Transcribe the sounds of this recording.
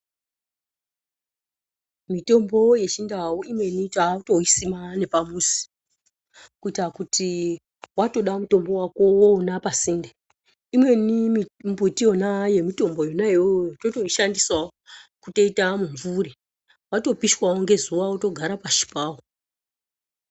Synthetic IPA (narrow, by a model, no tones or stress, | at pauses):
mito̞mbo̞je̞t͡ʃindawuimwe̞nit͡ʃauto̞isimane̞pamusi̥ | kuitakuti | wato̞ɗamuto̞mbo̞wakowonapasinde | imwe̞nimimbutijo̞naje̞mito̞mbo̞jonaeojototo̞ʃandiswaokuto̞itamuɱvuɾe | wato̞piʃwaoŋɡe̞zuʋauto̞ɡʱaɾapaʃi̥paːwo